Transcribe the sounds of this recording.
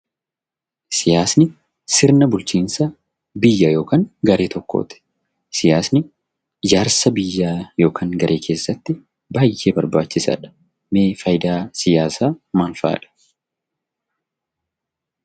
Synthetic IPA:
sɪjaːsnɪ | sɪɾnɐbʊlt͡ʃiːnsɐ | bɪjːɐjo̞ːkaːŋɡɐɾe̞ːt̪ʰɔkːo̞̰ːt̪ɛ̥ | sɪjaːsnɪ | d͡ʒaːɾsɐbɪjːaːjo̞ːkʰaːŋɡɐɾʔe̞ːkʰe̞ːsːɐt̪ːɪ | baːjːʔeːbɐɾbaːt͡ʃːɪsɐ̰ːᶑɐ̥ | me̞ːfɐjd̪aːsɪjaːsaːmaːlfa̰ːᶑɐ̥

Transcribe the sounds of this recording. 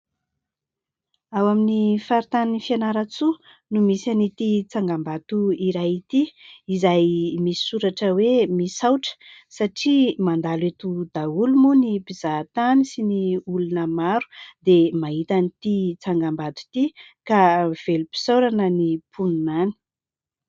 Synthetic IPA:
awaminifaɾit̪annifianaɾat͡su | numisanit̪it͡saŋɡambat̪uiɾajit̪iizajmisi̥suɾaʈ͡ʂəwemisawʈ͡ʂə̥saʈ͡ʂimand̪alet̪ud̪aulumunipiz̥at̪anisiniulunəmaɾu̥d̪emaɦit̪anit̪it͡saŋɡambat̪u̥t̪i | kav̥elupi̥sawɾanənipʰununani̥

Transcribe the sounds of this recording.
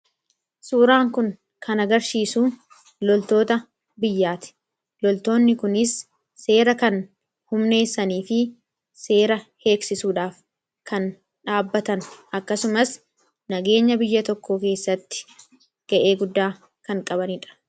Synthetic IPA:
suːɾaːŋkʊŋ | kʰɐnɐɡɐɾsiːsuː | lɔlt̪o̞ːt̪ɐ | bɪjːaːt̪ɪ̥ | lɔlt̪o̞ːnːɪkʊnɪsː | e̞ːɾɐkɐn | hʊmne̞ːsːɐniːfɪ | se̞ːɾɐhe̞ːksɪsuːᶑaːf | kɐn | ᶑaːbːɐt̪ɐnʔɐkːɐsʊmɐs | nɐɡe̞ːɲːɐbɪjːɐt̪ɔkːoːke̞ːsːɐt̪ːɪ̥ | ɡ̥ɐʔe̞ːɡʊd̪ːaː | kɐŋkʼɐbɐnɪᶑɐ̥

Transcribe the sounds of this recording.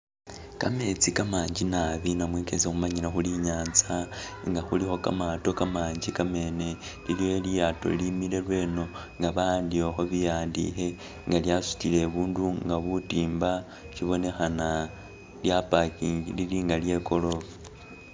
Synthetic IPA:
kame̞t͡sikamaːɲd͡ʒinaβinamwekezexumaɲilaxuliɲaːnt͡saŋɡaxulixo̞ka̰mato̞kamaːɲd͡ʒikame̞ne̞ | liljolijato̞̰limile̞lwe̞ːno̞ŋɡaβaandioxo̞βijaːndḭxe | ŋɡaljasu̥tile̞βuːnduŋɡaβutiːmba | ciβo̞ne̞xana | ljapakililiŋɡalje̞ko̞lo̞vo

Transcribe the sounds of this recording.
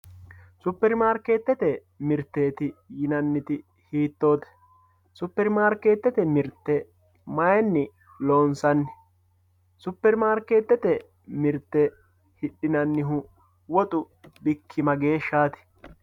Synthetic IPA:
sʊpːɛɾmaːɾke̞ːt̪ːɛt̪ɛ | mɪɾt̪ːe̞ːt̪ɪjɪnɐnːɪt̪ɪ | hiːt̪ːo̞ːt̪ɛ̥ | sʊpːɛɾmaːɾkːe̞ːt̪ːɛt̪ɛmɪɾt̪ːɛ | mɐjɛnːɪ | loːnsɐnːɪ̥ | sʊpːɛɾmaːɾke̞ːt̪ːɛt̪ɛ | mɪɾt̪ːɛ | hɪɗɪnɐnːɪɦʊ | wɔt̪ʼʊ | bɪkʰːɪmɐɡe̞ːʃːaːt̪ɪ̥

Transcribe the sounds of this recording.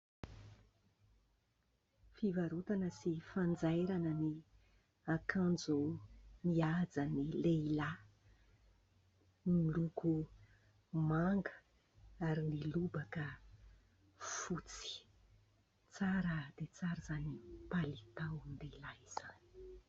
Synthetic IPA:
fivaɾut̪anəsifand͡zajɾanəni | akʰand͡zumiad͡zanilela | miluku | maŋɡə̥ | aɾinilubakə | fut͡si̥ | t͡saɾəd̪̥et͡saɾazanipalit̪awnileilaiz̥ani̥

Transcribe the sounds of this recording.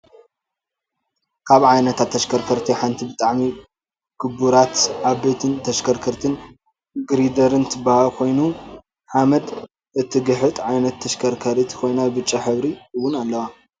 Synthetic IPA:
kʰaβʕajnɐt̪ʰat̪ʰːɐʃkʰɐɾkʰɐɾt̪ʰiħant̪ʰibɨt̪ʼaʕmi | kʰɨbuɾat̪ʕabet̪ʰɨnt̪ʰɐʃkʰɐɾkʰɐɾt̪ʰɨn | ɡɨɾid̪ɐɾɨnt̪ʰɨbahalkʰo̞jnu | ħamɐd̪ | ɨt̪ʰːɨɡɨħɨt̪ʼʕajnɐt̪ʰːɐʃkʰɐɾkʰɐɾit̪ʰi̥kʰo̞jnabɨt͡ʃʼiħɨβɾiɨwːʊnalːɐwa

